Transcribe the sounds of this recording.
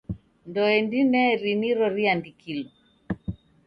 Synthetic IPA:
ndɔɛndinɛɾiniɾɔɾiandikilɔ

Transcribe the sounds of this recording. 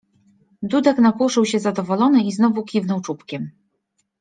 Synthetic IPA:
d̪ud̪ɛknakwuʂɘwɕɛzad̪ɔvɔlɔnɘiznɔvukʲivnɔwt͡ʂupkʲɛm

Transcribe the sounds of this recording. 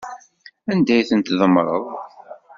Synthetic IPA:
ænd̪æjθənt̪ðˤəmɾˤə̰ðˤ

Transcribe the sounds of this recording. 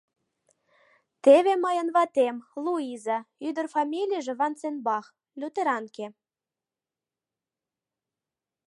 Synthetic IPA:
t̪eβemɤjə̆nβɑt̪emlˠuizɑyd̪ə̆rfɑmʲilʲijəʒĕβɑnt͡senbɑχ | lʲut̪eɾɑnke

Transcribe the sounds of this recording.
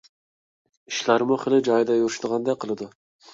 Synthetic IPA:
iʃlaɾmʊχɪlˠɪd͡ʒɑjd̪ɑjuɾʊʃd̪əʁɑnd̪ɑqʰəlˠɨd̪ʊ

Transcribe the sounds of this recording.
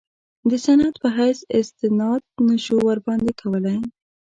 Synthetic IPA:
d̪əsanat̪pəɦajsɪst̪ɪnɑd̪̚naʃowaɾbɑnd̪ekʰawəlaj

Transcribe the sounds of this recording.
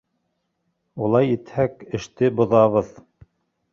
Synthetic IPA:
ulˠɑjit̪hækɘ̆ʃt̪ɘbŏðɑβɤð

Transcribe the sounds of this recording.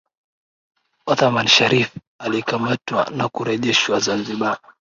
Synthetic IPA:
ɔθamanʃaɾif | alikamatwa̰nakuɾɛʄɛʃwazanziɓa

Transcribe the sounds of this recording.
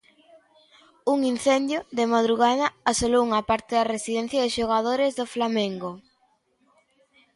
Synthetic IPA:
uŋin̟θend̪joðɪmaðɾuɣaðɐasolowuŋɐpaɾt̪ɪðɐresiðɛn̟θjaðɪʃoɣ̞aðoɾezðoflamẽŋɡo

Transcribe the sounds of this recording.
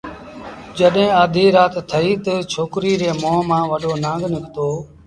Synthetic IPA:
d͡ʒəɗɦẽːaːd̪ʱiːɾaːt̪t̪ʰəiːt̪ət͡ʃʰoːkɾiːɾeːmõːmãːʋəɗoːnãːŋɡnɪkt̪oː

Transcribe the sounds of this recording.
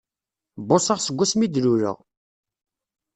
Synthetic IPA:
bːosaʁsəɡʷːæsmid̪luɾə̰ʁ

